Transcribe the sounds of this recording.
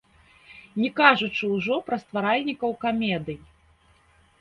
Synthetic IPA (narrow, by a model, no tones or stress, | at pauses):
nʲɛkaʐut͡ʂɨwʐɔpɾɐst̪vaɾalʲnʲikɐwkamʲɛd̪ɨj